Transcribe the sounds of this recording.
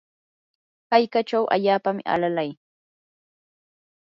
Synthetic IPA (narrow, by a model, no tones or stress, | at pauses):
kajkat͡ʃawʔa̰ʎaːpamɪa̰lalaj